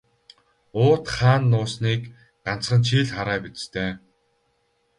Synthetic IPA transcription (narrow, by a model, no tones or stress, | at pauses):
ʊːt̪χaːnːʊːsniːk | ɢan̥t͡sχə̆nt͡ɕʰiːɮχaɾæːpit͡st̪ʰeː